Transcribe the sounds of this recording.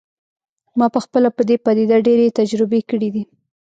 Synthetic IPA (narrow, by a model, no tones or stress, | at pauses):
mɑpəxpəlapəd̪epad̪id̪aɖeɾet̪ad͡ʒɾɪbekəɽid̪i